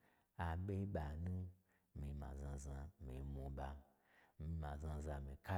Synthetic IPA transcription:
a˨ɓe˦ɓa˨nu˦ | mi˨mã̰˨zã˧za˧mḭ˨mu˧ɓa˧ | mi˧ma˨zã˧za˧mi˨ka˦

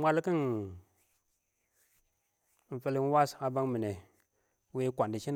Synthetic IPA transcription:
mʷa˦lki˦n˦ | n̩˨fe˦ln˦wa˦sa˨ba˦ŋmi˨ne˨˦ | we˦kʷa˨ndi˨ʃi˦n

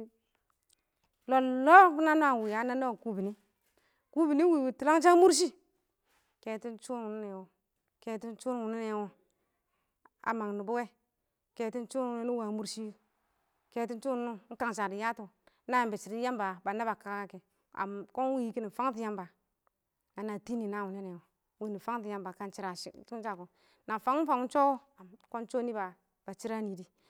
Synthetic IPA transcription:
lo˨llo˦fu˦na˦no˦a˨wi˨ja˨˦na˦no˦˨ku˦bi˨ni˦ | ku˦bi˨ni˦wi˨wi˨tu˨la˦ŋ˦t͡ʃa˦mu˦ɾʃ̬i˦ | ke˨ti˦nt͡ʃu˦n˨wu˨ni˦ne˨wo˨ | ke˨ti˦n˦t͡ʃu˦n˦˨wu˨ni˦ne˨wo˦ | a̰˨ma˨ŋ˨ni˨bu˦we˦ | ke˨ti˦n˦t͡ʃu˦˨ne˦nu˦wa˨mu˦ɾʃi˦ | ke˦ti˦n˦t͡ʃu˦n˦nu˦ŋ̩˦ka˦ŋ˨ʃa˨di˨ja˦to˨˦ | na˦ja˨mbe˨t͡ʃi˨ɾi˦a˦m˦ba˨ba˨na˦ba˨ka˨˦ka˦ke˨ | a̰˨ko˦n˦wi˦i˨ki˦ni˨fa˦ŋ˦t̬i˨˦ja˦mba˨ | na˨na˨ti˦ni˨na˦˨wu˨ne˦ne˨wo˨ | wi˦˨ni˨fa˦ŋ˦ti˨ja˦mba˨ka˦nt͡ʃi˦ɾa˨˦t͡ʃa˦ko˨ | na˨fa˨˦ŋ˦fa˨ŋ˦t͡ʃo˦a˨ko˦n˦t͡ʃo˦ni˦ba˨ | b̥a˨t͡ʃi˦ɾa˦ni˨di˦

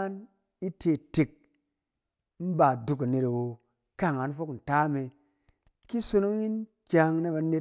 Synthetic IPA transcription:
n | i˦tʰe˧˨te˨k̚ | m̩˦ba˨du˨˧ka˨ne˧ta˨wo˧ | ka˦˨ŋa˨n˦fo˦kn̩˨ta˦me˧ | ki˦so˧˦no˦ŋi˦n | kʲa˧ŋne˦ba˧ne˧

